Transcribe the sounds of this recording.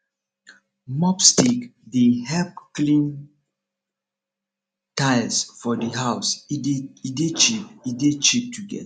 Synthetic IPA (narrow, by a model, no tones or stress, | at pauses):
mɔpstikdeɦɛp̚klĩn | taɪlsfɔdəɦaʊsiidet͡ʃipidet͡ʃip̚tʰuɡɛ̰t